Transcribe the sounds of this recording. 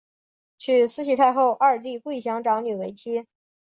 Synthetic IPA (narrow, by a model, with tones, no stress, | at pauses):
t͡ɕʰy˥˩sɹ̩˥ɕ̬ʰi˧˥t̪ʰa˥˧ɪxo˥˧ʊʔa˥˧˩t̪i˥˧ke˥˩ɪɕjɑ˧˥ŋʈ͡ʂɑ˧˥ŋny˨˩we˧˥ɪt͡ɕʰi˥